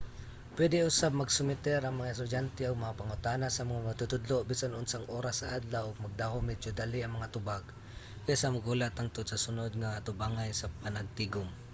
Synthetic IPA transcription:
pwɛd̪ɪʊsab̚maɡsʊmɪt̪ɛɾɐŋmɐŋaɛst̪ʊd͡ʒjant̪ɛʊɡ̚mɐŋapaŋʊt̪aːnasamaŋamaɡ̚t̪ʊt̪ʊd̪lobiːsanʊnsaŋʔoːɾasːaʔad̪lawʊɡ̚maɡ̚d̪aɦʊmɛd͡ʒʊd̪aliaŋmɐŋat̪ʊbaɡ | kasamʊɡulat̪aŋt̪ʊd̪sasʊnod̪̚ŋaat̪ʊbaŋajsapanaɡ̚t̪iɡʊm

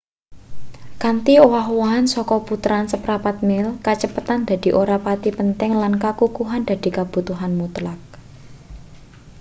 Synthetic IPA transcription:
kant̪iowaɦwaɦansɔkɔput̪ɾansəpɾapat̪̚mɪlkat͡ʃəpət̪and̪̥a̤d̪̥i̤ʔoɾapat̪ipənt̪ɛŋlankakukuɦand̪̥a̤d̪̥i̤kab̥ṳt̪uɦanmut̪lak̚

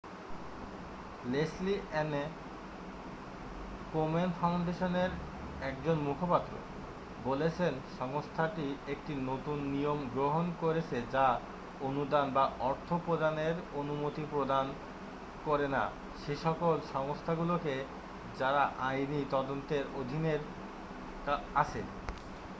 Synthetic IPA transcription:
lesliɛne | komenfawɳɖeʃoneɾ | ɛkd͡ʑonmukʰopat̪ːɾo̰ | bolet͡ɕʰenʃɔŋost̪ʰaʈiek̚ʈinot̪unːijomɡɾoɦonkoɾet͡ɕʰed͡ʑa | onud̪anbaʔɔɾt̪ʰopɾod̪ʱaneɾonumot̪ipɾod̪an | koɾena̰ | ʃeʃɔkolʃɔŋost̪ʰaɡuloke | d͡ʑaɾaʔajnit̪ɔd̪ont̪eɾod̪ʱineɾ | kaat͡ɕʰḛ

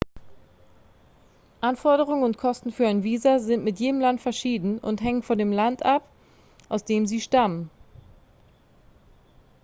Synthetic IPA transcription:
ʔanfɔɐɾəʁʊŋənʊntkʰɔstn̩fyːɐaɪnviːzazɪntmɪtjeːdəmlantfɛɐʃiːdn̩ʊ̰ntɦɛŋənfɔndeːmlantʔap | ʔaʊsd̥eːmziːʃtamən

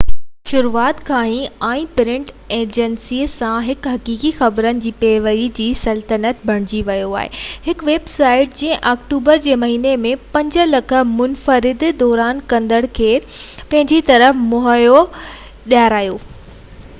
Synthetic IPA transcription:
ʃʊɾuːaːt̪kʰaːɦĩɛ̃ːpɪɾɪ̃ɳʈ | eːd͡ʑənsiːsãɦɪkɦɐkiːkixɐbɾənɪ̆d͡ʑiːpeːʋəɾid͡ʑiːsɐlt̪ənət̪bʱɐɽ̃ɪd͡ʑiʋɐjoa̰ːɦḛɦɪkʋeːbsaːɪʈ̚d͡ʑĩːə̃ʔaːkʈuːbəɾd͡ʑeːmɐɦiːnemẽpɐ̃ɲd͡ʑə̆lɐkʰə̆mʊnfəɾɪd̪d̪ɔːɾaːnkɐ̃nd̪əɽ̃kʰeːpɐ̃ɦɪ̃ɲd͡ʑit̪ɐɾəfmʊɦəjo | ɗjaɾaːjoː

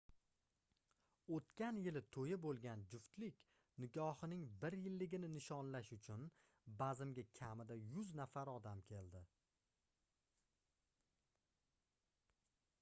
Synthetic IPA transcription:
ot̪kʲʰanjɪlɪt̪ʰojɪbolˠɡʲand͡ʒʊft̪lɪkʲ | nɪɡɒhɪnɪŋbɪɾjɪlːɪɡʲɪnɪnɪʃɒnlaʃʊt͡ʃʰʊn | bazɪmɡʲakʲʰamɪd̪ajʊznafaɾɒd̪amkʲʰe̞ld̪ɪ

